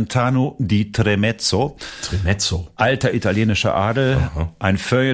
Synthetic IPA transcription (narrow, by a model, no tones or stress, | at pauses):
ntʰaːnoditʁemɛt͡sotʁemɛt͡soʔaltɐʔitaljeːnɪʃɐ̰ʔaɐdl̩hʔaɪnfœɐ